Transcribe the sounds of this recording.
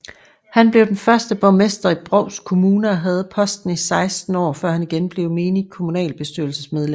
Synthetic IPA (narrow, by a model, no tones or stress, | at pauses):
hænb̥le̝ʊd̥enfɶɐsd̥əb̥ɒ̽mesd̥ɐib̥ʁɒʊskʰo̝muːnəɒɦæð̞̩ˠpʰɒ̽sd̥n̩isɑ̈ɪsd̥n̩ɒ̰ːfɶɐ̰hæniɡ̥enb̥le̝ʊme̝ːniŋkʰo̝munɛ̰ːlb̥e̝sd̥yɐl̩səsmeð̞ˠlem